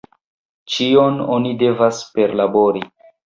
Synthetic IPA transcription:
t͡ʃiononide̞vaspe̞ɾlabo̞ɾi

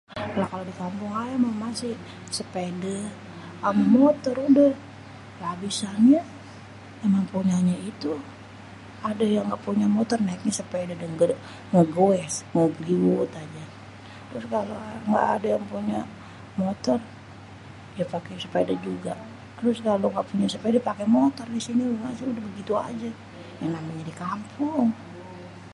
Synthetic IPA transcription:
lakalodikampʊŋajamaŋmasɪ | səpedə | əmmot̪ɔrudəh | labisaɲa | memaŋpuɲaɲait̪u | adajaŋɡaʔpuɲamot̪ɔrnaik̚ɲasəpedadəŋɡ | ŋəɡoɛsŋəɡliut̪ad͡ʒa | t̪əɾʊskaloŋɡa̰ʔːdajaŋpuɲa | mot̪ɔr | diapakɛsupajadad͡ʒuɡa | t̪əɾʊskaloŋɡaʔpuɲasupajadiapakemot̪ɔrdisiniŋasaudahbəɡit̪ua̰d͡ʒa | jaŋnamaɲadikampʰʊŋ

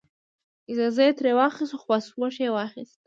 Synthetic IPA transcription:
izazajt̪ʰɾewaχisuχwaswaʃewaχist̪̚

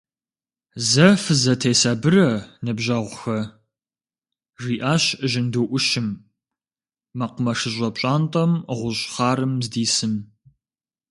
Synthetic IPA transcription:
zɐfɨzɐtʰeːsɐbɨrɐnɨbʑɐʁʷxɐ | riːʔaːɕɨʑɪnduːʔʷʊʃɪm | ɐqʷʊmɐʂɨʑʷʼɐpɕʼaːntʼɐmʁʷʊɕχɑːɾɨmzdiːsɨn

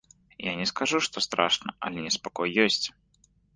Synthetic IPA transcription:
janʲɛskaʐuʂt̪ɔst̪ɾaʂnɐ̰ʔɐ̰lʲɛnʲɛspakɔjːɔsʲt͡sʲ

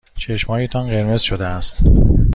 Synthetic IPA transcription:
t͡ʃʰe̞ʃmɒːjet̪ʰɒnɢe̞ɾme̞z̥ʃod̪eæst̪

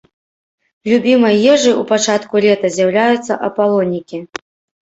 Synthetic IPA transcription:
lʲubʲimɐjjɛʐɨʔupat͡ʂat̪kulʲɛt̪ɐzʲjɐwlʲajut̪sːɐʔɐpalˠɔnʲːikʲi

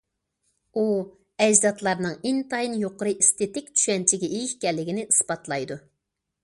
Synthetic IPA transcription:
u | ɛd͡ʒzɑt̪lˠɑɾnɨŋint̪ʰɑjinjoqəɾɨʔist̪et̪ɪkʲt͡ʃʰy̥ʃɛnt͡ʃʰiɡʲɛʔejiʃkʲɛlːɪɡʲɪnɪʔispɑt̪lˠɑjd̪u

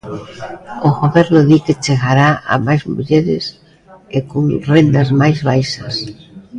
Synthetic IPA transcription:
oɣoβɛɾloðiket͡ʃeɣaɾaa̰majzmṵʎeɾɪ̰s | ekoŋrend̪azmajzβajʃɐs

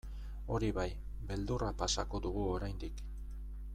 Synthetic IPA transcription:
o̞ɾiβaj | be̞ld̪urapasako̞ðuɣuo̞ɾajnd̪ik

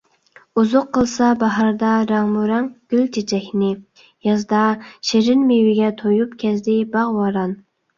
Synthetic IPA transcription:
uzʊqʰːəlˠsɑbɑɦɑɾd̪ɑɾɑŋmuɾɛŋɡ̥ʲylt͡ʃʰet͡ʃʰɛkʲnɪ | jɑzd̪ɑʃeɾɪnmewɪɡʲɛt̪ʰojupkʲʰɛzd̪ɪbɑʁwɑɾɑn

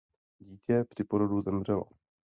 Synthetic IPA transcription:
ɟiːcɛpr̝̥ɪpoɾoduzɛmr̝ɛlo̰

